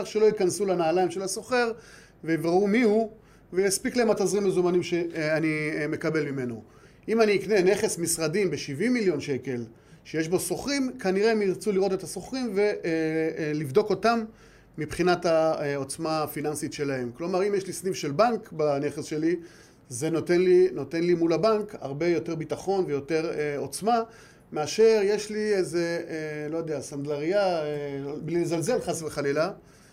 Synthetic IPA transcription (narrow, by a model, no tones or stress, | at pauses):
ʁʃelo̞it̪̚kansulanaːlaimʃe̞laso̞χe̞ʁ | vevʁaumihu | vejaspiklaemat̪azʁimezumanimʃeanime̞kabe̞lmime̞no | ʔimaniːkne̞ne̞χesmisʁadimbeʃivimːiljo̞nʃe̞ke̞l | ʃejeʃbo̞so̞χʁimkaniʁemiʁt͡suliʁo̞t̪et̪aso̞χʁimve | livd̪o̞ko̞tamː | ipχinatao̞t͡smaːfinansitʃe̞lahe̞mklo̞maʁimjeʃlisnivʃe̞lbaŋkbane̞χesʃe̞li | zenotenlino̞te̞nlimulabaŋka̰ʁbe̞jo̞te̞ʁbitaχo̞nvejo̞te̞ʁeo̞t͡sma | meaʃe̞ʁje̞ʃliezelo̞jod̪easandlaʁija | blilzalze̞lχasveχalila